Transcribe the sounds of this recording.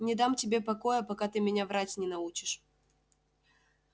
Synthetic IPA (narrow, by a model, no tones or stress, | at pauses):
nʲɪd̪amtʲɪbʲepɐkojəpɐkat̪ɨmʲɪnʲavɾatʲnʲɪn̪ɐut͡ɕɪ̥ʂ